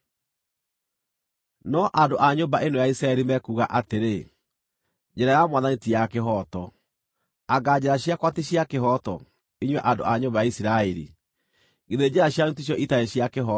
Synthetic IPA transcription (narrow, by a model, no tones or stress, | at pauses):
nɔʔandoʔaɲombaʔenojaisɾaɛɾimɛkuɣaʔateɾe | d͡ʑɛɾajamwaðanitijakeɦɔtɔ | aɡad͡ʑɛɾaɕjakwateɕjakeɦɔtɔ̰ | iɲwɛʔando̰aɲombajaisiɾaɛɾḭ | ɡeðed͡ʑɛɾaɕjanutiɕ̬jɔʔitaeɕjakeɦɔ